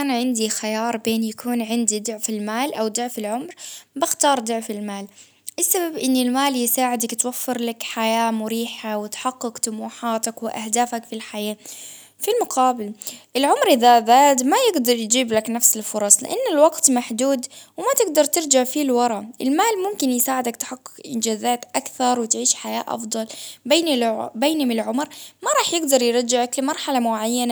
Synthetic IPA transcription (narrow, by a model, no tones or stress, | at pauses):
ʔanaʕɪnd̪ixajɑːɾˤbeːnjakuːnʕɪnd̪id̪ʊʕfɪlmaːlʔawd̪ʊʕfɪlʕʊmɾbɪxt̪ɑːɾˤd̪ʊʕfɪlmaːl | ʔɪsːababʔɪnːɪlmaːljɪsaːʕɪd̪akt̪wafːɪɾlakħajaːmʊɾiːħawɪt̪ħaqːɪkt̪ʊmuːħaːt̪akwɪʔa̰hd̪aːfakfilħajaː | filmʊqɑːbɪlʔɪlʕʊmɾʔɪðaðaːd̪majɪɡd̪ɑɾˤjd͡ʒiːblaknafsɪlfʊɾˤɑsˤlɪ̰ʔanːɪlwɑɡt̪maħd̪uːd̪wɪmat̪ɪɡd̪ɑɾˤt̪ɪɾd͡ʒaʕfilwɑɾˤɑʔɪlmaːlmʊmkɪnjɪsaːʕɪd̪akt̪ħɑqːɪ̥kʔɪ̰nd͡ʒaːzaːt̪ʔakθɑɾˤwɪt̪ʕiːʃħaja̰ːʔɑ̰fd̪ˤɑlbeːnbeːnhɪmɪlʕʊmɾmaɾˤɑːħjɪɡd̪ɑɾˤjɾˤɑd͡ʒːɪʕaklɪmɑɾˤħalamʊʕajːana